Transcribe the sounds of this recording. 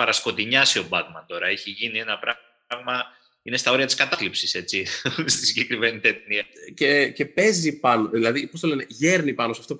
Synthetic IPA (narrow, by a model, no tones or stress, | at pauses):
ɐɾɐsko̞t̪iɲɐsio̞bɐɣmɐt̪o̞ɾɐeçiʝinie̞nɐpɾɐ | ɣmɐ | ine̞st̪ɐo̞ɾiɐt̪i̥skɐt̪ɐflipsise̞t͡sist̪isiɟe̞kɾime̞nit̪et̪niɐcece̞pe̞zipɐno̞ðilɐðipo̞st̪o̞le̞ne̞ʝe̞ɾnipɐno̞sɐft̪o̞p